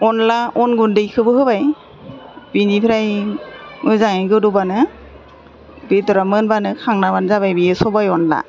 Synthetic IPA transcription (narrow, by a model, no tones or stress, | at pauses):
ɔnlaʔɔnɡundejkʰɯbɯɦɯbaj | binipʰɾaj | mɯzaŋeɡɯdɔbanɯ | betɔɾamɯnbanɯkʰaŋnabanzabajbiɛsɔbajɔnla̰